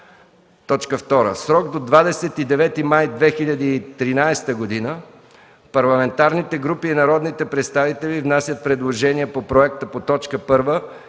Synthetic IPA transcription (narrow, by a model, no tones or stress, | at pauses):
t̪ɔt͡ʃkəft̪ɔɾə̰sɾɔɡd̪od̪vad̪ɛsɛt̪id̪ɛvɛt̪imajd̪vɛxilʲɐd̪əːt̪ɾinajst̪əɡod̪inə | pɐɾlˠɐmɛnt̪aɾnit̪ɛɡɾupiːnɐɾɔd̪nit̪ɛpɾɛt̪st̪avit̪ɛlʲivnasʲjət̪̚pɾɛd̪lˠoʒɛniɛpopɾoɛkt̪əpot̪ɔt͡ʃkəpɤɾvə